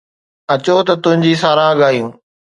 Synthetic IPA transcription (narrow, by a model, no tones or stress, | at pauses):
ɐt͡ɕot̪ɐt̪ʊ̃ɦɪ̃ɲd͡ʑiːsaːɾaːɠaːjũː